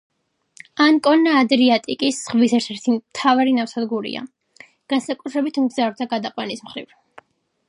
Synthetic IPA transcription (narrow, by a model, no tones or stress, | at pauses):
ankʼɔnːaːd̪ɾiat̪ʼikʼisʁvisɛɾt̪ʰɛɾt̪ʰit̪ʰavaɾinafsad̪ɡuɾḭa̰ | ɡ̥ansakʼut̪ʰɾɛbit̪ʰmɡzaɾd̪aɡad̪aqʼwanismχɾḭv